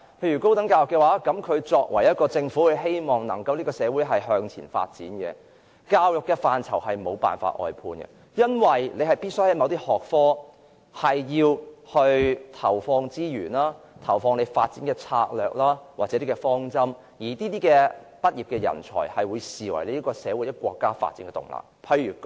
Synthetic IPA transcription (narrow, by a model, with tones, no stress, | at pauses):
pʰe˧jɥy˨˩ko˥wt̪ɐ˨˥ŋkaː˧wjʊ˨kːɛ˧waː˨˥kɐ˨˥mkʰɵ˨˧ɥt͡sɔː˧k̚wɐ̰˨˩jɐ˥t̚kɔː˧t͡sɪ˧ŋfuː˨˥kɵ˨˧ɦe˥jmɔː˨˩ŋnɐ̰˨˩ŋkɐ˧wliː˥kɔː˧sɛː˨˧wuː˨˥jɦɐ˨jɦœː˧ŋt͡sʰiː˨˩nfa̰ː˧t̚t͡siː˨˥nkɛ̰˧ | kaː˧wjʊ˨kːɛ˧faː˨nt͡sʰɐ̰˨˩wɦɐ˨jmo˨˧wpa̰ː˨nfa̰ː˧t̚ʔɔ̰ː˨˧jpʰuː˧nɡɛ̰˧ | jɐ˥nwɐ˨jle˨˧hɐ˨jpiː˥t̚shɐ˨˥jmɐ˨˧wt̪iː˥hɔː˨k̚fɔː˥ | hɐ˨jjiː˧whɵ˧ɥt̪ʰɐ˨˩wfɔː˧ŋt͡siː˥jyː˨˩nlaː˥t̪ʰɐ˨˩wfɔː˧ŋne˨˧jfaː˧t̚t͡siː˨˥nkɛ˧t͡sʰa̰ː˧k̚lœː˨k̚laː˥waː˨˩t͡sɛ˨˦˥i˥kɛ˧fɔː˥ŋt͡sɐ˥m | jiː˨˩t̪iː˥t̪iː˥kɛ˧ | pɐ˥t̚jiː˨˩p̚kɛ˧jɐ̰˨˩nt͡sʰɔ̰ː˨˩jhɐ˨jwuː˨˧jsiː˨˩wɐ̰˨˩jle˨˦˥i˥kɔː˧sɛː˨˧wu˨˥jɐ˥kʷɔː˧kːaː˥fa̰ː˧t̚t͡siː˨˥nkɛ˧t̪ʊ̰˨˩ŋla̰ː˨˩pʰɐ˧jɥyː˨˩